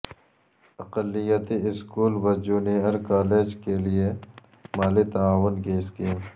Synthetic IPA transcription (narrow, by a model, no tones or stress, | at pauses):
ɐqəlːɪjət̪iɪskuːlʋɐd͡ʒuːneəɾkaːleːd͡ʒkelie | maːlit̪ɐaːʋʊnkeɪskiːm